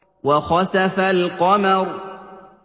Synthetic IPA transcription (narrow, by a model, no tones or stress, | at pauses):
wɑxɑsafalqɑmaɾ